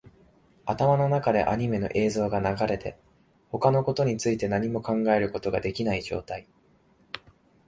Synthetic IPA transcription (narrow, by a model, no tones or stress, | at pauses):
at̪amano̞nakad̪e̞̰ʔa̰ɲ̟ime̞no̞̰ʔe̞ːzo̞ːɡanaɡaɾe̞t̪e̞̰ | ho̞kano̞ko̞t̪o̞ɲ̟it͡sɨit̪e̞naɲ̟imo̞kãŋɡae̞ɾɯ̟ko̞t̪o̞ɡad̪e̞kʲinaiʑo̞̰ːt̪ai